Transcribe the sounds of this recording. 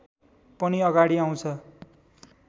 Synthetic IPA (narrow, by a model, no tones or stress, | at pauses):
pʌniʌɡaɽiaw̃t͡sʰʌ